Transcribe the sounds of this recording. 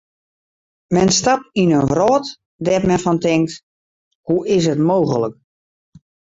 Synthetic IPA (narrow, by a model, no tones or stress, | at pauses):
mɛnstap̚inənʋrɔːt | dɛtmɛnfɔntɪŋk̚t | huɪs̬ɦətmoːɣələk̚